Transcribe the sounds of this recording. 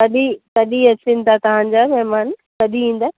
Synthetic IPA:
kɐɗikɐɗiɐsɪnt̪ʰat̪ɐʋ̤ãːɲ̆d͡ʑamɛɦmaːnkɐɗiĩːn̆d̪aː

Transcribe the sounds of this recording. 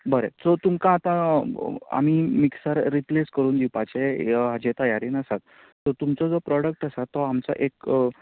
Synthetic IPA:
bəɾet͡sɔt̪umkãːt̪ã | a̰m̤iːmiksaɾːipleskəɾuːnd̪ipat͡ɕeɦad͡ʑet̪əjaɾiːnəsat̪ː | ɔt̪umt͡sɔd͡zɔpɾɔɽək̚ʈəsat̪ːɔamt͡sa̰ʔek

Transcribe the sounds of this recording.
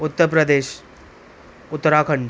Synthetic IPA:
ut̪ːəɾpɾəd̪eːɕ | ut̪ːəɾakʰəɳ

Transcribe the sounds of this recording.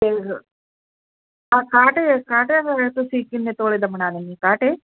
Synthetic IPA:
e | akaːʈekaːʈeɐɾɐt̪ːusiːkːinːet̪oːɭid̪ɐmɐɳaːd̪ɐnːikaːʈe

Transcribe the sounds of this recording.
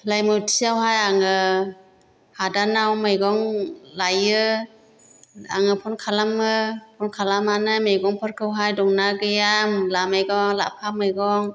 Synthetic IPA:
lajmɯtʰiawɦajaŋɯ | hadanawmɯjɡɔŋlajɯ | a̰ŋɯpʰɔnkʰalamɯpʰɔnkʰalamanɯjmejɡɔŋpʰɯɾkʰɯwɦajdɔŋnaɡɯjamlamajɡɔŋla̰pʰamɯjɡɔŋ

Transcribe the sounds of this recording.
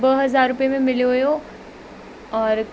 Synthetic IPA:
bəɦɐzaːɾːʊpijemẽmɪljoɦʊjo | ɔːɾ

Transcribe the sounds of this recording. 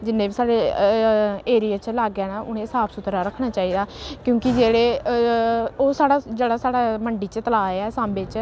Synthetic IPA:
d͡ʒɪnːẽːbiːsaːɽeː | eːɾijaːt͡ʃlaːɡɛːnãːʔʊnẽːsaːbsʊt̪ɾaːɾəkʰːɽ̃aːt͡ʃaːiːd̪aːkjõːkɪd͡ʒeːɽeː | oːsaːɽaːd͡ʒeːɽaːsaːɽaːməɳɖiːt͡ʃt̪əlaːeaːsãːmbeːt͡ʃ

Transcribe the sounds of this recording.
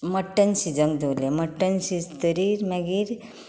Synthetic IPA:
məʈːənsid͡zə̃ŋd̪ʱowleməʈːənsid͡zt̪əɾiɾmɛ̃ɡiɾ

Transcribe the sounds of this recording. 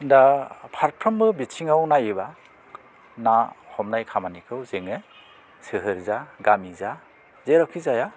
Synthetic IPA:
ndapʰaɾpʰɾɯmbɯbit͡ʃʰiŋawnaiba | nahɔmnajkʰamanikʰɯwzeŋe | sɯɦɯɾzaɡamiza | zeɾɔkʰizaja

